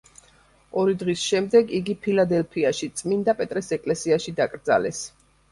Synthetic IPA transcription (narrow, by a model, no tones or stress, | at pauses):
ɔɾid̪ʁisʃɛmd̪ɛɡiɡipʰilad̪ɛlpʰiaʃit̪sʼmind̪apʼɛt̪ʼɾɛsɛkʼlɛsiaʃid̪akʼɾd̪za̰lɛs